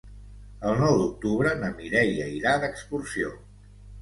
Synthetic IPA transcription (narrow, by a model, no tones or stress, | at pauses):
əlˠnɔwd̪uk̚t̪uβɾənəmiɾɛjəiɾad̪əkspursio